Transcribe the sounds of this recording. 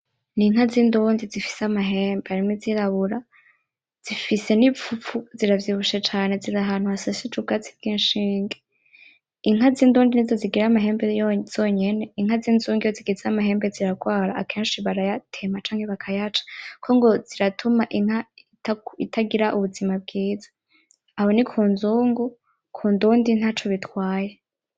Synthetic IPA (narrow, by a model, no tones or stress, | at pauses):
niŋ̥ɦaziːnduŋzizifi̥seamaɦeːmbeaɾimiziɾaβuɾa | z̥ifise̞nip͡fup͡fuziɾavjiβuʃet͡ʃaːne̞ziɾaɦan̥uasasit͡ʃuɡat͡si̥vɡiːnʃiːŋɡe | iŋ̥ɦaziːnduːndinizoziɡiɾamaɦe̞ːmbejz̥oːɲe̞ne̞iŋhaziːnzuːŋɡijoziɡizamaɦe̞ːmbeziɾaɡwaːɾaːkʰeːnʃiβaɾajatʰe̞mat͡ʃaːŋ̥he̞βakʰajat͡ʃḁkʰoŋɡo̞z̥iɾatʰumaʔiŋ̥ha | taitʰaɡiɾaʔuβuzimab̚ɡiːzḁ | aho̞nikʰuːnzuːŋɡu | kʰuːnduːndin̥hat͡ʃoβitwaːje